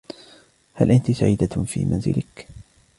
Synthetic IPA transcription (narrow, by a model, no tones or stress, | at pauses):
halʔant̪isaʕiːd̪afḭːmanzɪ̰lɪk